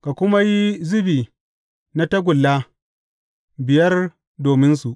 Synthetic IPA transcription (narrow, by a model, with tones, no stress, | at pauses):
ka˨kʷʊ˦ma˦ji˦zʊ˦biː˨ | na˦tɐ˦ɡʷʊ˨lːaː˦ | bɪ˨jɐ˦r | doː˨mɪ˦nsu˨ʔ